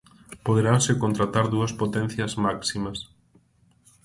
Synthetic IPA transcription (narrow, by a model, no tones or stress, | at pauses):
poðeɾawsɪkont̪ɾat̪aɾðuɐspot̪ɛ̃n̟θjɐzmaksimɐs